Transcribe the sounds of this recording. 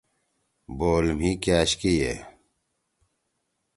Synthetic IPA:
boːlmɦikjaːɕkijeː

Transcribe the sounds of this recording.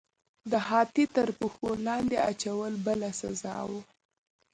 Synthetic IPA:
d̪əɦɑt̪it̪əɾpuxolɑnd̪eat͡ʃawəlbəlasa̰zɑ̰wu

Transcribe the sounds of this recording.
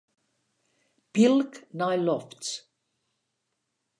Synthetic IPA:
b̥ilknajlɔfts

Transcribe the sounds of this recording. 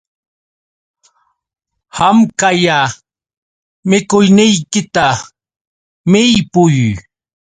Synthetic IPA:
hamkaja | mɪkʊjnɪjkɪt̪a | mɪjpʊj

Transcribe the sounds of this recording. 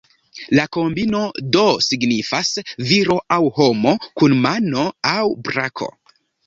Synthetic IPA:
lako̞mbino̞do̞siɡnifasviɾo̞ʔawho̞mo̞kunmano̞awbɾakʰo̞̰

